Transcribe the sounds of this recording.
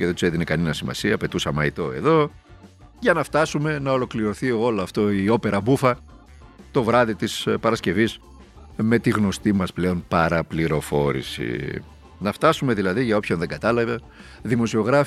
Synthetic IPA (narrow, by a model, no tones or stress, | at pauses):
ceðet̪u̥se̞ðinekɐninɐsimɐ̰siɐpe̞t̪usɐmɐit̪o̞e̞̰ðo̞ | ʝɐnɐft̪ɐsume̞nɐo̞lo̞kliɾo̞θiolɐft̪o̞io̞pe̞ɾɐbufɐ | t̪o̞vɾɐðit̪ispɐɾɐsce̞vis | me̞t̪iɣno̞st̪imɐsple̞o̞npɐɾɐpliɾo̞fo̞ɾḭsḭ | nɐft̪ɐsume̞ðilɐðiʝɐo̞pço̞nðe̞ŋɡɐt̪ɐlɐve | ðimo̞sio̞ɣɾɐf